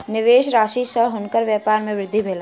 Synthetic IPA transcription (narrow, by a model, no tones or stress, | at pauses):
nɪʋeːʃɾaːʃisəɦɦʊnkəɾʋjəːpaːɾmẽʋɾɪd̪ʱːibʱeːla